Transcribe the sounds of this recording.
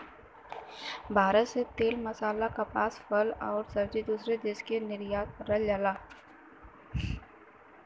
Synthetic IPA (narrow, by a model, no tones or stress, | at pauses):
bʱaːɾətset̪eːlmɐsaːlakapaːsfəlɔːɾsɐɾd͡ʒed̪uːsɾed̪eːʃkenɪɾijaːt̪ɾɐld͡ʒaːlaː